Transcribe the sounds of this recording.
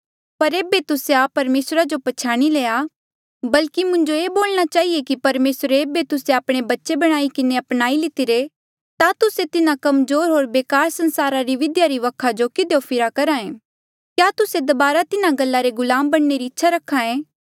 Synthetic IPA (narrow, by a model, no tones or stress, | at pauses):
pɐɾeːbet̪ʊseaːpɐɾmeːsɾad͡ʒopɐt͡ʃʰaːɽ̃ileːa | bɐlkimʊ̃ɲd͡ʒoeːboːlñat͡ʃaːɦiekipɐɾmeːsɾeeːbet̪ʊseaːpɽ̃ebɐtːʃebɐɽ̃aːikɪneɐpnaːilɪt̪iɾe | t̪at̪ʊset̪ɪnãkɐmzoːɾɦoːɾbeːkaːɾsɐ̃nsaːɾaɾiʋɪd̪jaɾiʋɐkʰad͡ʒokɪd̪eopʰɪɾakɐɾãːẽː | kjaːt̪ʊsed̪ɐbaːɾat̪ɪnãɡɐlːaɾeɡʊlaːmbɐɽ̃ːeɾiɪtːʃʰaɾɐkʰãẽː